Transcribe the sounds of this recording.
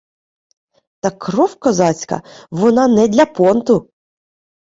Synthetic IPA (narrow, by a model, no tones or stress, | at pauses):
t̪ɑkɾɔwkɔzɑt͡sʲkɐ̰ʋɔnɑnɛd̪ʲlʲɐpɔnt̪ʊ